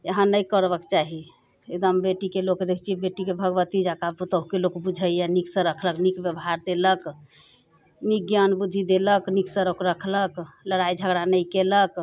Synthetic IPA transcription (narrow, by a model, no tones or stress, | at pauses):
əɦãnəjkəɾbəkt͡ʃaɦi | ed̪əmbeʈikelokd̪ekʰt͡ʃʰibeʈikebʱəɡʋət̪id͡ʒakaput̪əɦukelokbud͡ʒʱəjaniksə̃ɾəkʰləknikbjəbɦaɾd̪elək | nikjənbud̪ʱːid̪eləkniksə̃ɾəkɾəkʰləkləɽajd͡ʒʱəɡɽanəjkelək